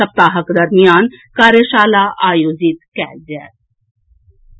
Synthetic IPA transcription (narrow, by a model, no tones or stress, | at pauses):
əp̚t̪aːɦəkd̪əɾmijaːnkaːɾeʃaːlaːʔaːjoːzɪt̪kɛːld͡ʒɛː